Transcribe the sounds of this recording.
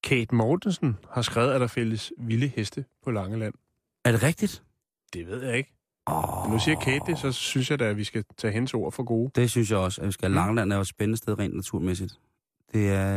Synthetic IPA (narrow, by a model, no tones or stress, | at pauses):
kʰeːd̥mɒːd̥nsn̩hɑ̈sɡ̥ʁaɛːʊð̩ˠæɾ̥ɑ̈fel̰əsʋiləhesd̥əpʰɒ̽lɑ̈ŋəlæn̰ | æɐɾ̥e̝ʁɛɡ̥̚d̥id̥ | d̥e̝ʋe̝ð̞̰ˠjɑ̈e̝ɡ̥ | mennusiːɐkʰeːd̥esɒ̽synsjɑ̈ɪd̥ææʋisɡ̥æt͡sʰɛ̰ːɦenəso̝ːɐ̰fɒ̽ɡ̥o̝ːd̥e̝synsjɑ̈ɪɒ̽səæʋisɡ̥ælɑ̈ŋəlæn̰æɐdsb̥enənəsd̥eð̞ˠʁɛ̰ːnd̥næt͡sʰuɐ̰mesid̥ | d̥e̝æɐ